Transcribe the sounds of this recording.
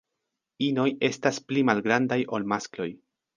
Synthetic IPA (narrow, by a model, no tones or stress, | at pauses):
ino̞je̞stasplimalɡɾandajʔo̞lmasklo̞j